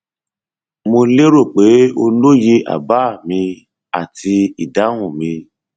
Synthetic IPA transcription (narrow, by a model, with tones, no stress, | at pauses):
mo˧le˦ɾo˦˨k͡pe˨˦o˧lo˦je˧ʔa̰˨ba˨˦˨mĩ˧ | a̰˦˨tʰi˧i˨da˨˦w̃ũ˦˨mĩ˧